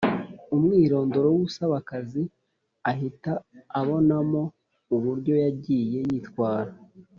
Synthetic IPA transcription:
umŋiːɾo̞ːndo̞ɾowuusaβakazi | ahitaːβo̞namo̞ | uβuɾɟo̞jaɟiːje̞jitwaːɾa

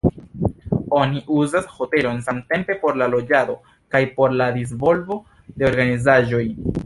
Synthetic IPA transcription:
o̞niʔuzasho̞te̞lo̞nsamte̞mpe̞po̞ɾlalo̞d͡ʒado̞ | kajpo̞ɾladis̬vo̞lvo̞ | de̞o̞ɾɡanizaʒo̞j

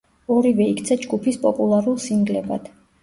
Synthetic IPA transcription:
ɔɾivɛikʰt̪sʰad͡ʒɡupʰispʼɔpʼulˠaɾulˠsiŋɡlɛba̰d̪̥

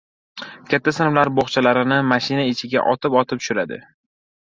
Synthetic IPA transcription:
kʲʰat̪ʰːasɪnawlaɾboχt͡ʃʰalaɾɪnɪmaʃɪnaɪt͡ʃʰɪɡʲa̰ʔɒt̪ʰɪpɒt̪ʰɪpʃʊɾad̪ɪ̰

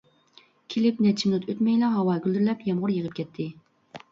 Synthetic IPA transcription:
kʲʰelɪpnɛt͡ʃʰimnut̪ʰøt̪mɛjlɑɦɑwɑːɡʲyld̪yɾlɛpjɛmʁʊɾjəʁəp̚kʲʰɛt̪ʰːɪ

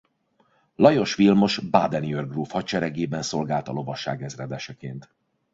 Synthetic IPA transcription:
lɒjo̞ʃʋilmo̞ʃba̰d̪ɛniørɡruːfhɒt͡ʃɛɾɛɡeːbɛnso̞lɡaːlt̪ɒlo̞vɒʃa̰ːɡɛzrɛd̪ɛʃɛkeːnt̪

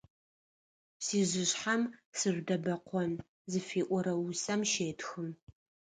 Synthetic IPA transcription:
siːʒɪɕħamsɨʒʷdɐbɐqʷʰɔn | zɨfiːʔʷɔɾɐwusɐmʃeːtʰxɨm

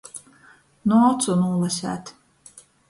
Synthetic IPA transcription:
nɔːt̪sɔnuːlˠasʲæ̰ːt̪

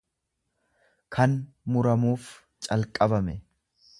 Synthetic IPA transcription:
kʰɐn | mʊɾɐmuːf | t͡ʃʼɐlkʼɐbɐmɛ

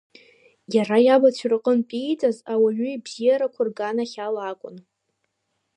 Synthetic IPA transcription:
jarajabat͡ɕʷʰrɨqʼənpʼijt͡sʼazawaɥʏibz̥ijaɾakʷʰʊrɡanaχʲalakʷʼʊ̰n

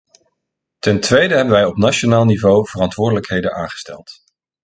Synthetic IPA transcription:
tɛntʋejdəɦɛbənʋɛjɔpnaʃonaːlˠnivowv̥ərɑntʋʊːɹdələkɦejdənʔaːŋχə̥stɛ̰lˠt

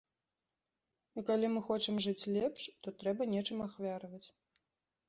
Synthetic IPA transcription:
ikalʲimɨxɔt͡ʂɨmʐɨt͡sʲlʲɛpʂt̪ɔt̪ɾɛbɐnʲɛt͡ʂɨmaxvʲaɾɨvɐt͡sʲ

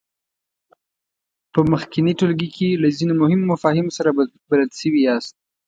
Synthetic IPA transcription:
pəməxkɪniʈolɡikʰelazinomʊhɪmːʊfɑhɪmsaɾa | baləlʃəwiast̪̚

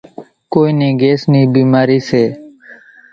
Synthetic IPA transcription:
koːiːnẽːɡeːsniːbiːmaːɾiːseː

